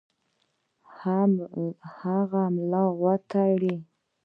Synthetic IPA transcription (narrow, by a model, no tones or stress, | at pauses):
h | haɣamlɑɣwat̪ʰaɽi